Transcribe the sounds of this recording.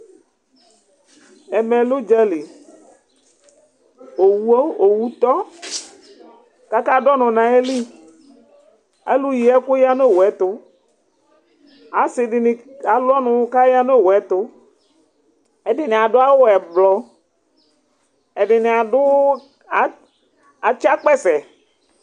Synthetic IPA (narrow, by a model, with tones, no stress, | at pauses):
ɛ˨mɛ̃˨lʊ˦d͡ʒɛ˦li˨ | o˨wu˦o˨wu˦t̪ɔ˦ | ka˦ka˦dɔ˦nʊ̃˨nã˨e˦li˦ | e˦lu˦ji˨ɛ˦kʊ˦ja˦no˦˨wɛ˨˦t̪ʊ˦ | a˨˦sɪ˨ɖɪ˨nɪ˨a˨lɔ˦nʊ̃˨˦ka˦ja˦no˦˨ɛ˨˦t̪ʊ˦ | ɛ˨dɪ˨nɪ˨a˨ɖʊ˦a˦wʊ˦ɛ˨blɔ˨ | ɛ˨ɖɪ˨nɪ˨a˨dʊ˦ | a˨ | a˨t͡ʃa˦k͡pɛ˦sɛ˨